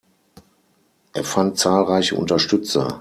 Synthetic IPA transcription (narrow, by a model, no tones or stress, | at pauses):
ʔeːɐfant̚t͡saːlʁaɪçəʔʊ̰ntɐʃtʏt͡sɐ̰